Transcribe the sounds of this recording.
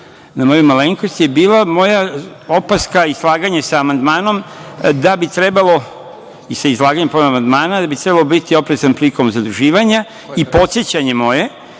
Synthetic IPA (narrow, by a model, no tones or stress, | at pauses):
namo̞jumaleŋkost̪je̞biːlamo̞jao̞paskaizlˠaːɡaɲasaːmand̪maːno̞md̪abit̪ɾe̞balˠo̞ | isaizlˠaːɡaɲemponamand̪maːnad̪abit̪ɾe̞balobit̪io̞pɾezanpliko̞mzad̪ɾuʒiːʋaɲa | ipo̞t̪sjet͡ɕaɲe̞mo̞je̞